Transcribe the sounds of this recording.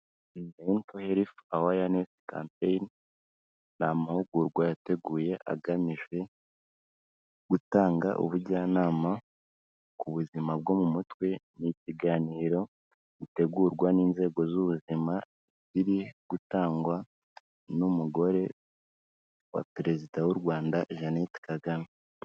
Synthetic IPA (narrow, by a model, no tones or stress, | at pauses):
nentoheɾifawajaneska̰ːmpejnː | aːmahuɡuːɾɡwajate̞ɡuːje̞ʔa̰ɡamiʒe̞ | ɡ̥utaːŋɡa̰ʔṵβuɟaːnaːma | kuβuzimabɡo̞mumutwe̞niciɡaːniːɾo̞ | ite̞ɡuːɾɡwaniːnze̞ːɡo̞zuβuzima | ziɾiɡ̥utaːŋɡwa | numuɡo̞ɾe̞ | wa̰pɾe̞zidawuɾɡwaːndaʒanetkaɡami